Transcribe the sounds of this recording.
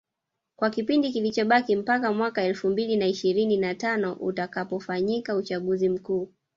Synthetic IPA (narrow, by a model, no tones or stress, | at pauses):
kwakipindikilit͡ʃɔɓakim̩pakamwakaɛlfumbilinaiʃiɾininatanɔʔṵtakapɔfaɲikaut͡ʃaɠuzim̩kuː